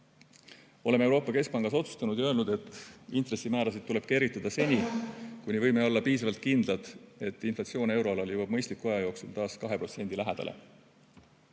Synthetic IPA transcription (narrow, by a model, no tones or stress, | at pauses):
o̞le̞me̞wɾo̞ːpːˑɑke̞sk̚pɑŋɡ̥ɑso̞t̪su̥st̪ɑnud̪̥jɑølnud̪̥e̞t̪ːˑint̪re̞sːimæːɾɑsid̪̥̚t̪ːule̞b̥̚ke̞ɾit̪ːˑɑd̪̥ɑse̞nʲikunʲivɤjmeo̞lːɑpiːs̬ɑvɑlt̪̚kind̪̥lɑd̪̥e̞t̪ːˑinflɑt̪sio̞ːne̞wɾo̞ɑlɑljuwɑb̥̚mɤ̞jst̪likːˑuɑjɑjo̞ːksult̪ɑːskɑɦe̞pro̞t̪se̞nʲd̪ilæɦed̪̥ɑ̰lʔḛ